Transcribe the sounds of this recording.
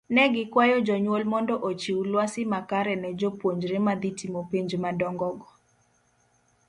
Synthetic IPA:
nɛɡɪkwajɔd͡ʒɔɲwolmɔndɔʔot͡ʃiwlwasɪmakaɾɛnɛd͡ʒopwoɲd͡ʒɾemad̪itimopeɲd͡ʒmadɔŋɡɔɡɔ

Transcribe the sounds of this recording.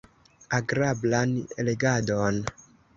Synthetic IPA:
aɡɾablanele̞ɡadon

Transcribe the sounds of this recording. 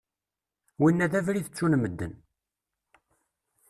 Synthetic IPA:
winːæðævɾiθət͡sːunməd̪ːə̰n

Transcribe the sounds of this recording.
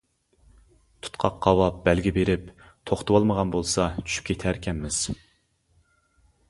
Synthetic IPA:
t̪ʰu̥t̪qʰɑqːɑwɑp̚bɛlɡʲibeɾɪp | t̪ʰoχt̪ɨwɑlˠməʁɑnbolˠsɑt͡ʃʰy̥ʃy̥p̚kʲʰet̪ʰæɾkʲʰɛmːɪz̥

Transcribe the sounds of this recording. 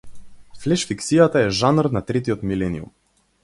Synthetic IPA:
flɛʃfiksijat̪aɛʒanrnat̪ɾɛt̪iɔt̪milɛniṵm

